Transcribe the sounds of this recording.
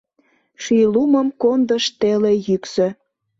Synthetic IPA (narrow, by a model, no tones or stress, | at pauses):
ʃyluməmkond̪əʃt̪elejyksø